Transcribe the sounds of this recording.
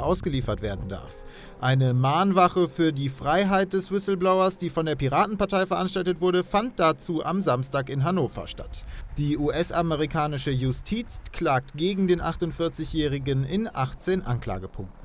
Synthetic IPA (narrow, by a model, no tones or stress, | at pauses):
ʔaʊsɡ̥əliːfɐtv̥eːɐdn̩da̰ɐf | ʔaɪnəmaːnvaχəfyːɐdiːfʁ̥aɪɦaɪt̚d̥ɛsvɪsl̩blaʊɐsd̥iːfɔndeːɐpiʁaːtn̩paɐtʰaɪfɛɐʔanʃtaltətv̥ʊɐɾəfant̚d̥at͡suːʔa̰mzamstaːkɪnɦanoːfɐ̰ʃta̰td̥iːʔuːʔɛsʔaməʁikʰaːnɪʃəjʊstʰiːt͡skʰl̥aːk̚tɡ̥eːɡŋ̩deːnʔaχtʊntfɪɐt͡sɪçjɛːʁɪɡənɪnʔaχt͡seːnʔa̰nkla̰ːɡəpʰʊŋk̚tn̩